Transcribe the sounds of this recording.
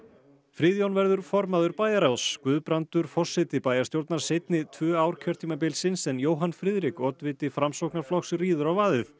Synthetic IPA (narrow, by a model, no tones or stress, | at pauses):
fɾɪðjownvɛɾðʏɾ̥fɔɾmaðʏɾpaːjaɾawskvʏðpɾant̪ʏɾ̥fɔ̥sɪt̪ɪpaːjaɾst̪jowɾt̪naɾ̥sejt̪nɪt̪ʰvœːaːwɾ̥cʰœɾ̥t̪ʰiːmap̬ɪlsɪnsɛnjoːwɦanfɾɪðɾɪkɔːt̪vɪːt̪ɪfɾamsowknaɾ̥flɔxsɪriːðʏɾawvaːðɪθ